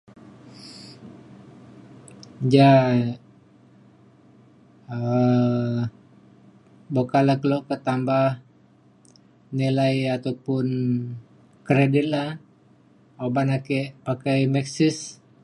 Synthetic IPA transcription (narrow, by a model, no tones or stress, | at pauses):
d͡ʒa | ə | bokalakəlokət̪ambah | nilajat̪awpʊn | kɾedit̪̚la | obanakɛʔpakajmɛksɪs